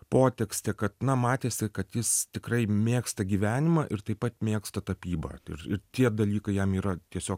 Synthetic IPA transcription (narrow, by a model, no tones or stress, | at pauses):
poːt̪ʲɛksʲt̪ʲekɐt̪nɐmɑːt̪ʲeːsʲɪkɐt̪jɪst̪ʲɪkrɐɪmʲeːkst̪ɐɡʲiːʋʲæːnʲɪmɐʔɪrt̪ɐɪpɐt̪mʲeːkst̪ɐt̪ɐpʲiːbɐ̰ɪrɪrt̪ʲiɛd̪ɐlʲiːkɐɪjɛmiːɾɐt̪ʲiɛsʲoːk